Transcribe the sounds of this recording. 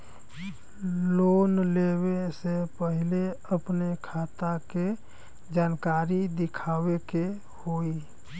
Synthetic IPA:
loːnlewesepəɦɪleəpnekʰaːt̪ake | d͡ʒaːnkaːɾid̪ɪkʰaːweke | hoːi

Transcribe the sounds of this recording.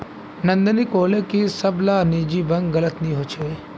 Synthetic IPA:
nɐ̃nd̪əniːkoːlekisɐblaːniːd͡ʒiːbɐ̃ŋɡɡɐlət̪nĩɦot͡ʃʰe

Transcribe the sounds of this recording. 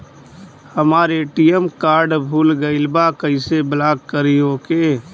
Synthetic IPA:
həmaːɾeːʈijəmkaːɾɖbʱuːlɡəɪlbakəɪseblaːkkəɾiɦoːkeː

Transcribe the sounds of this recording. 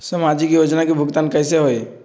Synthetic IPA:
səmad͡ʒikijoːd͡ʒnakibʱʊɡt̪aːnkəɪseɦoe

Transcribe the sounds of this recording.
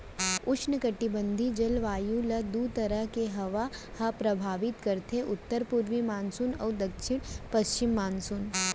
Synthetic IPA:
ʊt͡ʃʰnəkɐʈːibə̃nd̪ʱid͡ʒɐlʋaːjulɐd̪uːt̪ɐɾəɦkeɦɐʋahɐpɾɐbʱaːʋɪt̪kɐɾt̪ʰeʔʊt̪ːəɾpuɾʋimaːnsunɐ̰ːd̪ɐkʃɪɽ̃pɐst͡ʃɪmːaːnsun

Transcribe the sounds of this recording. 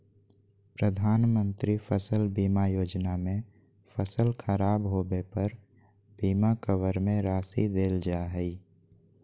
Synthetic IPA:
pɾəd̪ʱaːnmə̃nt̪ɾifʰəsəlbiːmajoːd͡ʒnamẽ | fʰəsəlkʰəɾaːbɦoːbepəɾ | biːmakəwəɾmẽɾaːsid̪eːld͡ʒaːɦɛi

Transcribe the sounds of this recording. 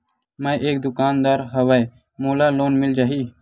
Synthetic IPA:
məʔeːk̚d̪ʊkaːnd̪aːɾɦəʋəj | moːlaːloːnmɪld͡ʒaːɦiː

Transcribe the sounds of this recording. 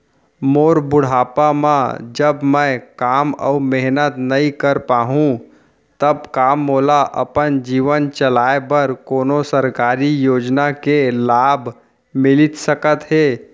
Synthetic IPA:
moːɾbʊɽ̤aːpamã̰d͡ʒəbmə̃kaːmɔ̰meɦnət̪nɐĩkəɾpaːɦũ | t̪əbkaːmːoːlaʔə̰pənd͡ʒiːʋənt͡ʃəlaːebəɾkoːnosəɾkaːɾijoːd͡ʒnakelaːbʱ | mɪlɪt̪səkət̪ɦeː

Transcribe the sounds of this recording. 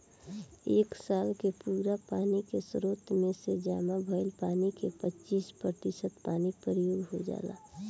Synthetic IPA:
eːksaːlkepuːɾapaːnikesɾoːt̪ʰmẽsed͡ʒaːmabʱəɪlpaːnikepət͡ʃiːspɾət̪isət̪paːnipəɾijoːɡɦod͡ʒa̰ːla̰

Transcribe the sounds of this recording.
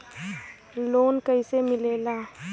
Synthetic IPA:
loːnkəɪsemɪleːlaː

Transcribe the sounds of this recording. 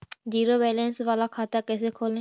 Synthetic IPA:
d͡ʒiːɾoːʋɛːlensʋaːlaːkʰaːt̪aːkɛːseːkʰoːlẽ

